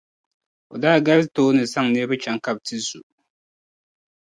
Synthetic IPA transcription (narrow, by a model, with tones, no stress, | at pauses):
o̰˨daː˦˨ɡa˦ltoː˦nɨ˨sa˦ŋnɛ˦bɨ˦t͡ʃa˨ŋka˦b̚tɨ˦zṵ˨